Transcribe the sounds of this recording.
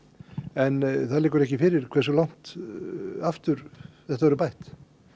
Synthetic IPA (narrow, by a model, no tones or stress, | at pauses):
ɛnθaðlɪːkʏɾɛhcɪfɪɾɪɾ̥kʰvɛɾ̥sɔlawn̥t̪ | aft̪ʏɾθɛht̪avɔɾʏpajht̪